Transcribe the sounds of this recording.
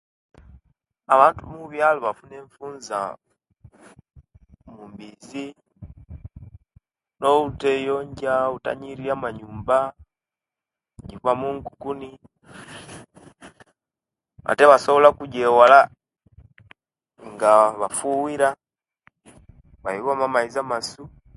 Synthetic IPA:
βaːntumuβjaloβafuneɱfuːnza̰ | mumbizi | noutejoɲɟauta̰ɲiɾijamaɲuːmba | ɲɟiβamuŋɡukuni | a̰teβasoβolakuɟewala | ŋɡaβafuwiɾa | βajiβamamaizamasu

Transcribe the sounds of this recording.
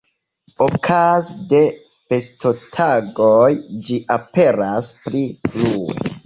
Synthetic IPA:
okʰazde̞ | fe̞sto̞tʰaɡojd͡ʒiʔape̞ɾaspɾifluwḛ

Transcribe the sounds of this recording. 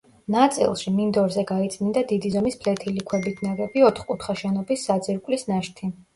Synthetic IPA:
nat̪sʼḭlˠʃimind̪ɔɾzɛɡait̪sʰʼnind̪ad̪id̪izɔmispʰlɛt̪ʰilikʰwɛbit̪ʰnaɡɛbiɔt̪ʰχkʼut̪ʰχaʃɛnɔbisːad̪ziɾkʼlisnaʃt̪ʰi

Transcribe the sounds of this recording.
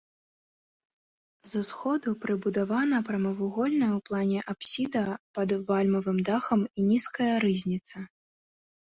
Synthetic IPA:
zɐsxɔd̪upɾɨbud̪avanɐpɾɐmɐvuɣɔlʲnɐjwplˠanʲɛʔapsʲid̪ɐpɐd̪valʲmɐvɨmd̪axɐminʲiskɐjɐɾɨzʲnʲit̪sɐ

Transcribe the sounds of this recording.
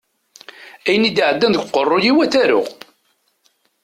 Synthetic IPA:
æjənid̪iʕəd̪ːænd̪ɡqːərˤːojiwæθæɾʊ̰ʁ

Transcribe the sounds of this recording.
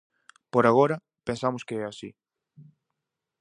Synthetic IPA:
poɾaɣoɾɐ | pẽnsamʊskeɛasḭ

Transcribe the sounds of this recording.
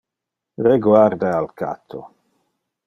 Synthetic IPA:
reɡwaɾd̪aalka̰t̪ʰo̰

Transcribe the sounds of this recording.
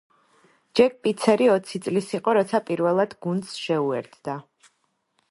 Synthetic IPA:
d͡ʒɛɡ̚pʼit̪sʰɛɾiɔt̪sʰit̪sʼlisiqʼɔɾɔt̪sʰapʼiɾvɛlˠad̪̥ɡund̪sʃɛuɛ̰ɾt̪ʰd̪a

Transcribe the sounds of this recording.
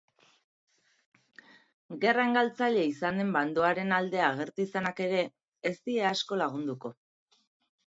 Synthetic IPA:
ɡe̞raeŋɡalt͡saʎe̞isand̪e̞mband̪o̞aɾe̞nald̪e̞aɣ̞e̞ɾt̪uisanake̞ɾe̞ː | st̪ie̞asko̞laɣ̞und̪uko̞

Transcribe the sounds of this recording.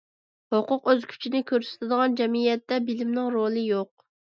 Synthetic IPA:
hoqʊqøzkʲʰy̥t͡ʃʰinɪkʲʰøɾsɪ̥t̪ʰɪd̪əʁɑnd͡ʒɛmijɛt̪ːɛbɪlɪmnɪŋɾolˠɨjoq̚

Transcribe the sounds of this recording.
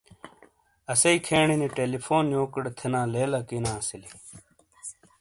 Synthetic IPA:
ɐsɐikʰeːɳiniʈeːlipʰoːnjoːkəɽt̪ʰenãːleːlɐkinãːɐsili

